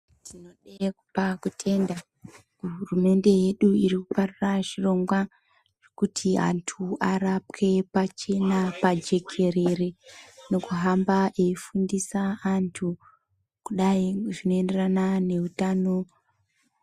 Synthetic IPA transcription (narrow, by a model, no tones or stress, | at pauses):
tino̞ɗekupakutʰe̞nda | uɦurume̞nde̞je̞ɗuiɾikuparuraʐiro̞ŋɡwa | ʐ̥ekutʰia̰ntʰuʔaɾap̚kʰe̞pat͡ʃe̞napad͡ʒe̞kʰe̞re̞re̞no̞kuɦambaʔeifundisaːntʰu | kuɗaiʐino̞ende̞ranane̞utano̞